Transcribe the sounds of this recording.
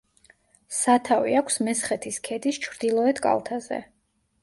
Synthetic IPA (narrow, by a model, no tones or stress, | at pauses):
sat̪ʰaviakʷʰsmɛsχɛt̪ʰiskʰɛd̪ist͡ʃʰɾd̪ilˠɔɛt̪kʼa̰lˠt̪ʰazɛ̰